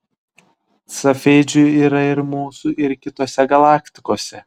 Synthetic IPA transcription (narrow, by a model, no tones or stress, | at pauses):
sɐfʲɛɪd͡ʒʲʊiːɾɐɪɾmuːsuʔɪɾkʲɪt̪oːsʲɛɡɐlˠɑːkt̪ʲɪkoːsʲɛ